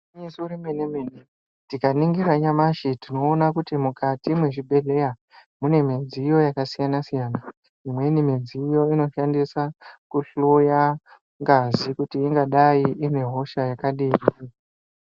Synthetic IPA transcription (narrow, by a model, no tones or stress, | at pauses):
ɲisuɾimenemene | tikaniŋɡiɾaɲamaʃitino̞ːnakutimukʰatimwe̞ʐibʱe̞ɮe̞ja | mune̞med͡ziːjo̞jakasijanasijaːna | imwe̞nimed͡ziːjo̞ino̞ʃandisakuɬuja | ŋɡazikutiːŋɡaɗajiʔine̞ɦo̞ʃajakaɗiːrii